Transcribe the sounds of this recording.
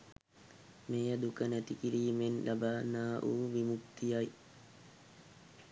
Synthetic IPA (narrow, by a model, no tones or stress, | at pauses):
mejəd̪ukənæt̪ikiɾiːmenlʔabaːnaːʔuːʋimukt̪ijaj